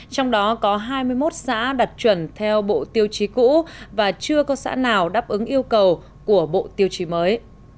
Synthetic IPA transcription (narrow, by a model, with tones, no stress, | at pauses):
t͡ɕɔ˧wŋ͡mɗɔ˨˦kɔ˨˦ɦaː˧jmɨ˧əjmo˦˥t̚sa̰ː˧˥ɗa˨˩t̚t͡ɕwə˧˩nt̪ʰɛ˧wɓo̰˧˨t̪i˧əwt͡ɕi˨˦kṵ˧˥vaː˨˩t͡ɕɨ˧əkɔ˨˧˦sa̰ː˧˥naː˨˩wɗaː˦˥p̚ʔɨ˨˦ŋʔi˧əwkə˨˩w | ku˧˩əɓo̰˧˨t̪i˧əwt͡ɕi˨˦məː˨˦j